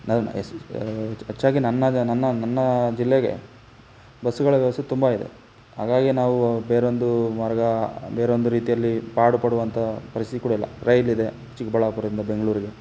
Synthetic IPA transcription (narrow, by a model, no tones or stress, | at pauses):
nɐ̰ | ɐt͡ʃːaːɡinɐnːɐnɐnːɐnɐnːɐd͡ʒilːeɡe̞̰ | bɐsːuɡɐɭɐʋjɛʋɐst̪ut̪umbɐid̪ḛ | ɦa̰ːɡaːɡinaːʋubeːɾeond̪umɐɾɡɐbeːɾeond̪uɾiːt̪ijɐlːipaːɽupɐɽuʋɐnt̪ʰɐpɐɾist̪it̪ikuːɽɐilːɐ̰ɾɐjlid̪e̞ | t͡ʃːikbɐɭɐpːɐɾɐd̪ɾind̪ɐbe̞ŋɡɐɭuːɾiɡe̞